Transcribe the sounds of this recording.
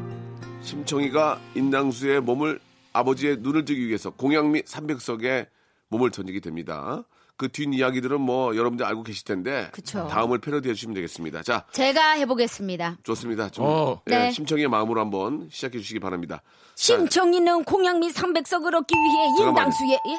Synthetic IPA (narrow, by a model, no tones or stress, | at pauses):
ɕʰimt͡ɕʰʌŋiɡaindaŋs̬ʰue̞momɯɭ | abʌd͡ʑie̞nuɾɯɭtɯɡiɥie̞sʰʌkoŋjaŋmisʰambe̞k̚s͈ʌɡe̞ | momɯɭt͡ɕʌɲiɡidwe̞mɲida̰ | kɯtɥinijaɡidɯɾɯnmwʌjʌɾʌbɯndɾaɭɡoɡe̞ɕʰiɭtʰe̞nde̞kɯt͡ɕʰotaɯmɯɭpʰeɾjoded͡ʑuɕʰimɯndeɡe̞s͈ɯmɲida̰t͡ɕat͡ɕe̞ɡahe̞boɡe̞s͈ɯmɲidat͡ɕʌs͈ɯmɲidat͡ɕoeɕʰimt͡ɕʰʌŋiemaɯmɯɾohambʌnɕʰid͡ʑakʰe̞d͡ʑuɕʰiɡipaɾamɲida̰ | ɕʰimt͡ɕʰʌŋinɯnkoŋjaŋmisʰambe̞k̚s͈ʌɡɯɾʌk̚k͈iwiɦeindaŋsʰuje